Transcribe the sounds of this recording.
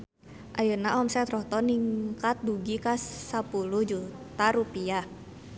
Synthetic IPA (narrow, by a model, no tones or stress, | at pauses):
ʔajənaʔɔmsɛt̪rɔht̪ɔniŋkat̪̚duɡikasapuluhd͡ʒutt̪aɾupia